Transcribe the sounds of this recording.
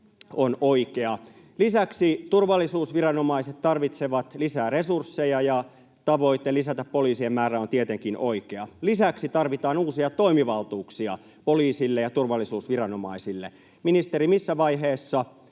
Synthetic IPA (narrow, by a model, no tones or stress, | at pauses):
onoikeɑ | lisæksit̪urʋɑlːisuːsʋirɑnomɑiset̪t̪ɑrʋit̪seʋɑt̪lisæːresursːejɑjɑ | t̪ɑʋo̞it̪ːelisæt̪æppoliːsiemmæːræont̪iet̪eŋkinʔo̞ikeɑlisæksit̪ɑrʋit̪ɑːnuːsiɑt̪o̞imiʋɑlt̪uːksiɑ̰ | poliːsilːejɑt̪urʋɑlːisuːsʋirɑno̞mɑ̰isilːḛ | minist̪eɾimisːæʋɑiɦeːsːɑ